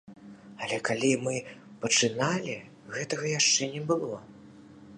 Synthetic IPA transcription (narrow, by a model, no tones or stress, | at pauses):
ɐlʲɛkalʲimɨpɐt͡ʂɨnalʲi | ɣɛt̪ɐɣɐjaʂt͡ʂɛnʲɛbɨlˠɔ